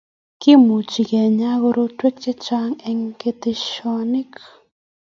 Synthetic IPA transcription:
ki˦mu˨t͡ʃi˨kɛ˨ɲa˦ɣo˧ɾo˦twe˦k̚t͡ʃe˦t͡ʃa˦ŋɛ˨˧ŋke˧te˨ʃɔ˦ni˦k

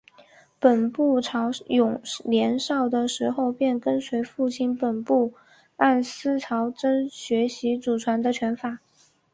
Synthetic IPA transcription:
pə˨˩npu˥˩ʈ͡ʂʰɑ˧˥ʊjʊ˨˩ŋljɛ˧˥nʂɑ˥˩ʊd̪ə˩ʂɻ̩˧˥xo˥˧ʊpjɛ˥˩nkə˥nswe˧˥ɪfu˥˩t͡ɕʰi˥˩npə˨˩npu˥˩ | a˥˩nsɹ̩˥ʈ͡ʂʰɑ˧˥ʊʈ͡ʂə˥nɕɥɛ˧˥ɕi˧˥t͡su˨˩ʈ͡ʂʰwa˧˥nd̪ə˧t͡ɕʰɥɛ˧˥nfa˨˩˦

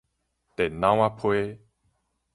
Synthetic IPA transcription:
t̪e˨nã˦w̃a˦pʰwe˦

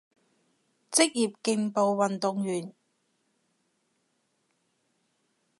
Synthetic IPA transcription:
t͡sɪ˥k̚jiː˨p̚kɪ˧ŋpo˨˧wwɐ˨nt̪ʊ˨ŋjyː˨˩n

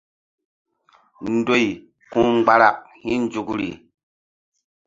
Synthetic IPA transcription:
n̩˦do˦˨j | kũ˦ɡ͡ba˦ɾa˨k̚hĩ˦n˦d͡ʒu˨kɾḭ˨

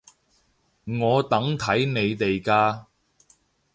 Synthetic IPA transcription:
ŋɔː˨˧t̪ɐ˨˥ŋt̪ʰɐ˨˥jne˨˧jt̪e˨jkaː˧

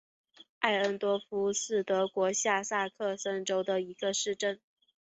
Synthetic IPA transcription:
a˥˩ɪə˧˥nt̪wɔ˥fu˥sɹ̩˥˩t̪ɤ˧˥kwɔ˧˥ɕja˥˧sa˥˧kʰɤ˥˩sə˥nʈ͡ʂo˥ʊd̪ə˨i˧˥ɡə˧ʂɻ̩˥˧ʈ͡ʂə˥˩n

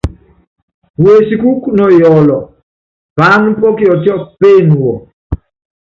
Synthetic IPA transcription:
we˨si˦ku˦knɔ˨jɔ˨lɔ˨ | pa˨˦npɔ˦ki˦ɔ˨tjɔ˦pe˦n˨wɔ˨

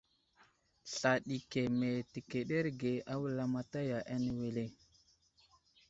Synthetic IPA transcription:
ɬa˨ɗi˨ke˨me˨te˨ke˨ɗe˦ɾɡe˨a˦wə˦la˦ma˦ta˦ja˨ʔa˦ne˨we˨le˦˨

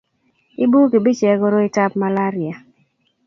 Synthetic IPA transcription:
ɪ˦bu˦ke˨bi˦t͡ʃɛ˨ɡo˦ɾo˦ɪ˦ta˦p̚ma˦la˦ɾɪ˨a˨

